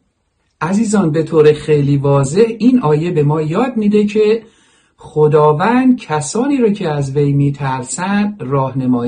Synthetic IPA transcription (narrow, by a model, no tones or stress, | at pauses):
ʔæziːzɒːnbe̞t̪ʰoːɾexejliːvɒːze̞hiːnʔɒːje̞be̞mɒːjɒːd̪̚miːd̪e̞cʰe̞ | χod̪ɒːvænd̪̚cʰæsɒːniːɾɒːcʰeæzvejmiːt̪ʰæɾsænd̪rɒːhne̞mɒːj